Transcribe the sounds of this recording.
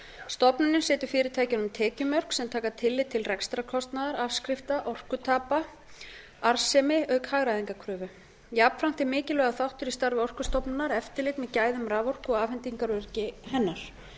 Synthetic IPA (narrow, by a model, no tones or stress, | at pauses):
st̪ɔpnʏnʏnsɪːt̪ʏɾ̥fɪːɾɪt̪ʰajcɪnʏmt̪ʰɛːcʏmœr̥ksɛmt̪ʰaːkat̪ʰɪlːɪt̪ʰɪlrɛkst̪ɾakʰɔst̪naðaɾafskɾɪft̪aʔɔr̥kʏt̪ʰaːpa | aɾ̥sɛmɪœɥkhaːɣɾaðiŋkakʰɾʏːvʏ | japfɾawŋ̥t̪ɪmɪːcɪlœɣaθawht̪ʏɾist̪aɾvɪɔr̥kʏst̪ɔpnʏnːaɾɛft̪ɪlɪt̪mɛðcaːjðʏmɾaːvɔr̥kɔɣaːfɪnt̪iŋkaɾvœɾcɪhɛnːaɾ̥